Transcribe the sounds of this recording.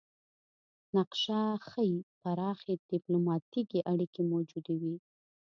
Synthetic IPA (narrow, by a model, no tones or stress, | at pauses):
naqʃaxəjipaɾɑxed̪̥ɪplomɑt̪ikeʔaɽikemowd͡ʒud̪ewi